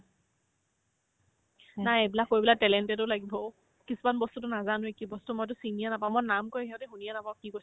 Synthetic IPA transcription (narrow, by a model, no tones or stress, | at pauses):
najebilakkːojbilatɛlɛntɛt̬ʊlaɡibɔ | kisumanbɔstutʊnazanʊekibɔstumojt̬ʊsinijɛnapãʊ̃mɔnamkojɦiɔteɦunijɛnapaʊ̃kiko